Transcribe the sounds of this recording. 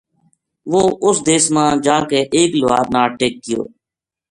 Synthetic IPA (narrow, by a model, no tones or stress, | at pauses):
ʋoːʔʊsd̪eːsmãːd͡ʒãːkeːʔeːklʊʋa̰ːd̪naːʈeːk̚ːɪjo̰ː